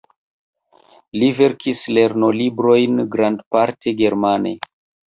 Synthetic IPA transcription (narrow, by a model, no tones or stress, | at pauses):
live̞ɾkʰisle̞ɾno̞libɾo̞jnɡɾandpaɾtʰe̞ɡe̞ɾmanḛ